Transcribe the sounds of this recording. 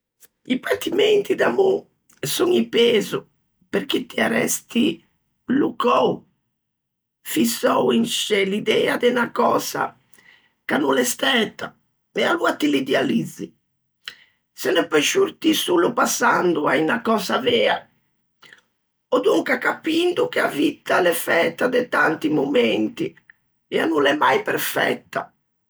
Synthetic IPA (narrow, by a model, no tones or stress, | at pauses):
ipant̪imɛnt̪id̪amu | suŋipɛːzu | peɾk̟it̪ːiaɾɛ̰st̪i | lukow | fisɔwinʃɛlid̪ɛːad̪ɛnakɔːz̥a̰ | kanːulɛst̪ɛːt̪a | ɛaluat̪ilid̪ɛalid̪zːi | sɛnɛpɔʃuɾt̪isuːlupasːand̪uainakɔːzavɛːa | ɔd̪uŋkakapind̪uk̟eavit̪ːalɛfɛːt̪ad̪ɛt̪ant̪imomɛnt̪i | ɛanːunɛmːajpɛɾfɛ̰t̪ːa